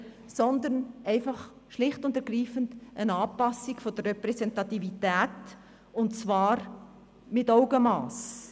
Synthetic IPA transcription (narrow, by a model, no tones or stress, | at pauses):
sɔnd̪əɾnʔɛɪfɑχ | ʃlɪχtʊntəɾɡriːfən̩dənɑːpɑsiɡfod̥̪ərːɛpɾɛsɛntɑt̪ivitæːt | ʊntt͡svɑːɾ | mɪtɔʊɡəmɑːs